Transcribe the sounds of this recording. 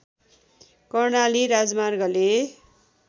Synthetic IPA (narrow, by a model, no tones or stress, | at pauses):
kʌrnaliɾad͡zmarɡʌle